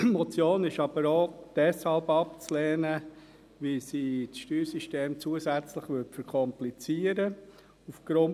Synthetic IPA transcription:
mɔt͡sjoːnɪʃɑb̥əɾoːd̥ɛshɑlbɑp̚t͡slɛːnə | ʋisiːtsʃtyːɾsiʃteːmt͡suəsæt͡slɪχʋʏtfəɾkʰɔmplit͡siːəɾə | ufɡ̥ɾʊn

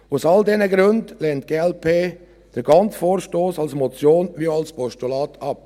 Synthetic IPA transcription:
ʊsɑldɛnəɡɾøndlɛːnt̚ɡ̥eːɛlpʰeː | d̥əɾɡ̥ɑnt͡sfoːɾʃtoːsɑlsmɔt͡sjoːnʋiɑlspɔʃtulɑːtʰɑp̚

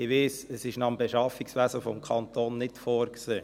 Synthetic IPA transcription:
ɪʋɪːsəsɪʃnɑəmbeʃɑfiksʋæzəfɔmkʰɑnt̪oːnːɪtfoːɾkseː

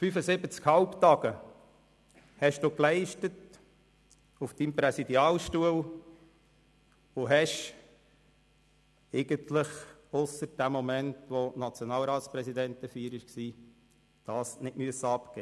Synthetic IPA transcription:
fyfəsɪbət͡skhɑlpt̪ɑɡ̥ə | hɛʃd̥uːklɛɪʃtət | ufd̥impɾɛsid̪iɑːlʃtuəl | ʊɦɛʃ | ɛɪɡənt̪ləχʊsəɾd̥æmɔmɛntʋonɑt͡sjonɑːlɾɑːtspɾɛsid̪ɛntəfiːɾɪʃksiː | d̥ɑːsnɪtmyəsəɑpkɛː

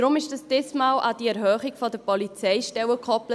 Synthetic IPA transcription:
ɾʊmɪʃd̥ɑsd̥ɛsmɑːwʔɑdiɛɾɦœːχɪɡfɔdəpɔlit͡sɛɪʃtɛwəkʰχɔplə

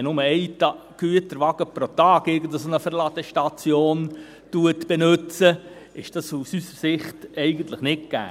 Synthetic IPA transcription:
nʊməɛɪtɑ | ɡ̥yətəɾʋɑɡ̥əpɾot̪ɑːɡɪɾɡən̩dəsonəfəɾlɑdəʃtɑt͡sjoːn | tuətb̥ɛnʉt͡sə | ɪʃd̥ɑsusysəɾsɪχtɛɪɡən̩t̪ləχnɪt̚ɡ̥æ̰ː

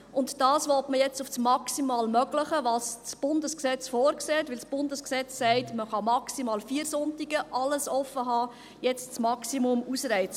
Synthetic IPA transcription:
ʔʊntd̥ɑːsʋɔtməjɛt͡sufsmɑksimɑːlmœɡləχəʋɑːst͡sb̥ʊndəsksɛt͡sfɔːɾkseːɛtʋɪlsb̥ʊndəsksɛt͡ssɛɪtməχɑmɑksimɑːlfiːəɾsʊntiɡəʔɑləsɔfːəɦɑː | jɛt͡st͡smɑksimʊmusɾɛɪt͡s

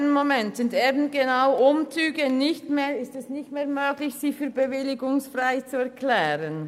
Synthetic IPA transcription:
nənmomɛntsɪnteːbn̩ɡ̥enaʊʔʊmt͡syːɡənɪçtmeːɾɪstɛsnɪçtmeːɐmøːɡ̥lɪçsiːfyːɐbəvɪlɪɡʊŋsfraɪt͡suɛɐkʰlɛːɾən

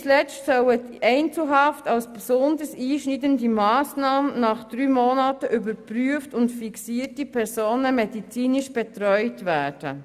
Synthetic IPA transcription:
t͡slɛt͡stsœwə | ɛɪnt͡sl̩ɦɑftɑlsbsʊndəsiːʃnidəndimɑːsnɑːmənɑχd̥ɾyːmonɑːtəʔybəɾpɾyəftʊntfiksiːəɾtipʰɛɾsoːnəmɛdit͡siːnɪʃb̥ɛtɾœʏtvæːɾd̥ə̰

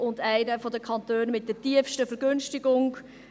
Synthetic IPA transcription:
ʊndæɪnəfɔdəkʰɑntøːnmɪt̚d̥ɛtiəfʃtəfəɾɡ̥ʏnʃtɪɡʊŋ

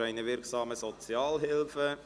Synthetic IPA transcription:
æɪnəʋɪɾksɑːməsɔt͡sjɑːlɦɪlfə

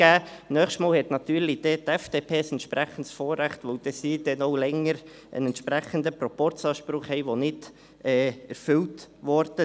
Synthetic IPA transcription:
æːnœːχʃtmɑːlhɛt̪nɑt̪yːɾlid̥ɛt̪ɛfd̥epʰeːsɛnt̪ʃpɾæχəntsfoːɾːæχtʋœld̥ɛsiːd̥ɛnoʊlɛŋəɾ | ʔə̰nɛntʃpɾɛχəndəpɾɔpɔrt͡sɑːʃpɾʊχhɛɪʋonɪd | ɛːɛɾfʏltʋɔɾd̥ə

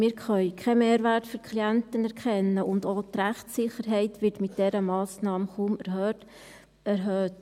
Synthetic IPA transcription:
mɪːɾχœʏkʰɛmeːɾʋæɾtfyɾkʰliænt̪ənɛɾkχɛnːəʔʊndoːtɾæχtsɪχəɾɦɛɪtʋɪtmɪt̚d̥ɛɾəmɑːsnɑːməχuːmɛɾhøːt | ɛɾɦøːt

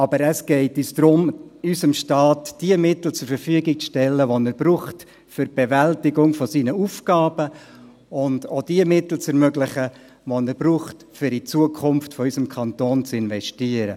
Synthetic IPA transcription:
ɑbəɾəsɡ̥ɛɪtysd̥ɾʊmysəmʃtɑːtd̥iəmɪt̪l̩t͡sʊɾfəɾfyəɡɪk̚t͡sʃtɛlːəʋonɛɾb̥ɾuːχt | fʏɾb̥evæltɪɡʊŋfɔsiːnəufɡ̥ɑːbə | ʊndod̥iəmɪtl̩t͡sɛɾmøɡlɪχə | ʋonɛɾbɾuːχt | fʏɾit͡suəkʰʊmftfɔysəmkʰɑntoːnt͡sɪnvɛʃtiəɾə

